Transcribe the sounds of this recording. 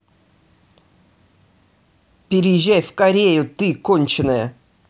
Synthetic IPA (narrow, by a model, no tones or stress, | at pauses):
pʲɪɾʲɪjɪʑʲːajfkɐɾʲejʊt̪ɨkonʲt͡ɕɪnəjə